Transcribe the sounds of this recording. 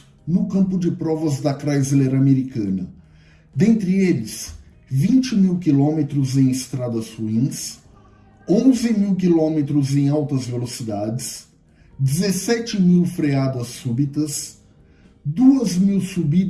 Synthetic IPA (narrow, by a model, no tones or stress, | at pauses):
nʊkɐ̃mpʊd͡ʒɪpɾɔvɐzd̪ɐkɾajzileɾɐameɾikɐ̃nɐ | d̪ẽnt̪ɾɪelɪs | vĩnt͡ʃɪmiwkilõmet̪ɾʊzẽj̃ɪst̪ɾad̪ɐzhuĩs | õzɪmiwk̬ilõmet̪ɾʊzẽj̃awt̪ɐzvelosid̪ad͡ʒɪs | d͡ʒɪzesɛt͡ʃɪmiwfɾead̪ɐsubit̪ɐs | d̪uɐzmiwsubi